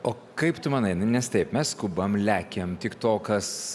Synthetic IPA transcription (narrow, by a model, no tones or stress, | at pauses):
oː | kɐɪpt̪ʊmɑːnɐɪnɐnʲɛst̪ɐɪpmʲɛsskʊbɐmlʲæːkʲemt̪ʲɪkt̪oːkɐs